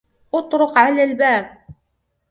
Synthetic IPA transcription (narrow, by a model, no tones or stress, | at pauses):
ʔʊt̪ˤɾʊqʕalaːlbaːb̚